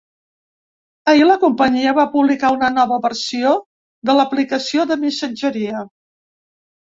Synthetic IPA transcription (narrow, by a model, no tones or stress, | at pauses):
əiləkumpəɲiəβapuβlikaunənɔβəβərsio | ðələplikəsioðəmisəd͡ʒəɾiə